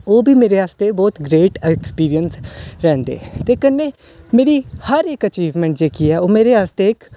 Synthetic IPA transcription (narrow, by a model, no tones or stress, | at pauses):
oːbʱiːmeːɾeaːst̪ebɔːt̪ɡɾeːʈɛkspiːɾiənsɾɛ̃ːnd̪ḛːt̪eːkənːeː | meːɾihəɾeːkət͡ʃiːʋmɛ̃ːɳʈd͡ʒeːkiːɛːoːmeːɾeaːst̪eːk